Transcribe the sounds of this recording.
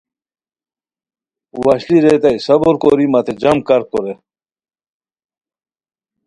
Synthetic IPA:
wɐɕliɾet̪ɐisɐboɾkoɾimɐt̪ʰed͡ʑɐmkɐɾkoɾe

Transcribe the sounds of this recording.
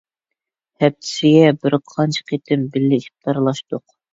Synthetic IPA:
hɛp̚t̪ʰɪ̥sɪɡʲɛbɪɾqʰɑnt͡ʃʰqʰet̪ʰɪmbɪlːɪiχ̚t̪ɑɾlˠɑʃt̪ʊq

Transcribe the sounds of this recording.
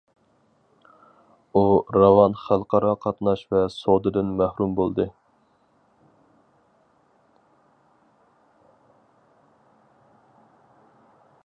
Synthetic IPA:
uɾɑvɑnχælˠqʰɑɾɑqʰɑt̪nɑʃvɛsod̪ɨd̪ɨnmæhɾumbolˠd̪ɨ

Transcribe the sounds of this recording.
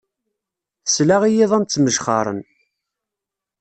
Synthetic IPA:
θəslaʁijiðˤænt͡sːməʒχɑ̰ɾˤə̰n

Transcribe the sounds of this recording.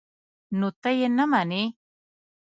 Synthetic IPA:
nut̪ajenːamani

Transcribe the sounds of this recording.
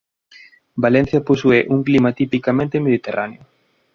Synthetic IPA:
balẽn̟θjaposueʔuŋklimat̪ipikamẽnt̪emeðit̪erʔaneʊ

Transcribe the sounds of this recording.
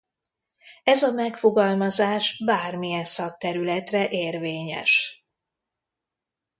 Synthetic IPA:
ɛzɒmɛkfo̞ɡɒlmɒzaːʃbaːrmijɛnsɒkt̪ɛɾylɛt̪rɛʔeːrveːɲɛ̰ʃ

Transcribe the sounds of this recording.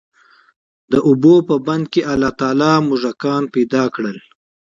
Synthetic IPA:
d̪əʔʊbopəband̪̚keʔalɑt̪ɑːlɑmʊʐakɑnpejd̪ɑkɽəl

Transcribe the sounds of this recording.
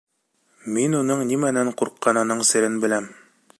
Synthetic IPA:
minunɤɴnimænæɴquɾqːɑnɑnɤɴsɘ̆ɾɘnbɘ̆læm

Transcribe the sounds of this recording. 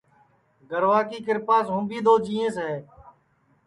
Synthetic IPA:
ɡəɾʋaːkiːkɪɾpaːsɦũːbiːd̪oːd͡ʒiːẽːsɦeː

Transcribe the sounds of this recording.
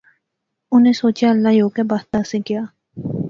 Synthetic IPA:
ʊnẽsoːt͡ʃjaəlːajoːkebaːst̪ãːsekɪjaː

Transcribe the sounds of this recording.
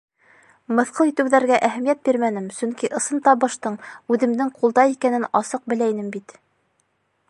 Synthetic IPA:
mɤ̆θqɤlˠit̪ɘ̆wðæɾɡæʔæɦæmjæt̪̚biɾmænɘmsɵŋkiʔɤ̆sɤnt̪ɑβɤ̆ʃt̪ɤɴʉðɘ̆md̪ɘŋqulˠd̪ɑikænɘnɑsɤq̚bɘ̆læinɘmbit̪

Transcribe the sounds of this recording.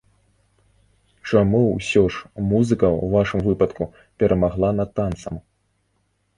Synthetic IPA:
t͡ʂamusʲɔʂmuzɨkɐwvaʂɨmvɨpɐt̪ku | pʲɛɾʔɐmaɣlˠanɐt̪ːant̪sɐm

